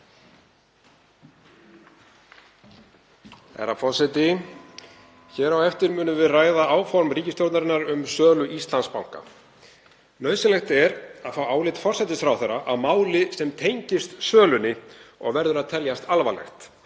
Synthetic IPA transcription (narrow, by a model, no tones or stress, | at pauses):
ɛ̰ɾafɔr̥sɛjt̪ɪ | çɛːɾawɛft̪ɪɾmʏːnʏvɪðraːjðaaːwfɔɾmriːcɪst̪jowɾt̪naɾɪnːaɾʏmsœːlʏʔist̪lanspawŋ̥ka̰ | nœːɥsɪnɛxt̪ɛɾaðθawaːwlɪt̪fɔrsɛt̪ɪsθɾawθɛɾaʔaðmaːwlɪsɛmt̪ʰejɲcɪst̪sœːlʏnɪɔ̰ɣvɛɾðʏɾaðt̪ʰɛljast̪alvalɛ̰xt̪